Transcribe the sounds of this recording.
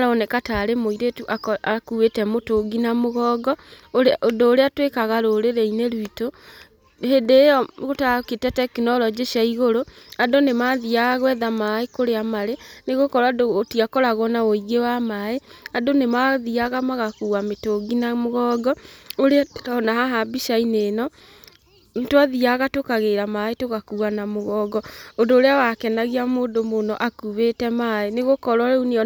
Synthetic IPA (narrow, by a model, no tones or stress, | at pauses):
ɾɔɔnɛkataɾemoiɾetuʔaakuwetɛmotoɡinamoɣɔɡɔ | odoːɾeatwekaɣaɾoɾeɾɛineɾwito | hedejɔɣotaketɛtɛkinɔɾɔd͡ʒeʃaiɣoɾoadonemaðiaɣaɣwɛðamaekoɾeamaɾeneɣokɔɾadotiakɔɾaɣɔnaoiɣewamaeadonemaðiaɣamaɣakuwametoɡinamoɣɔːɡɔoɾeɔnaɦaɦabiʃaineːnɔ | twaðiaɣatokaɣeɾamaetoɣakuanamoɣɔːɡɔondoːɾeawakɛnaɣiamoːndomonɔʔakuβetɛmaeneɣokɔɾwaeuneɔ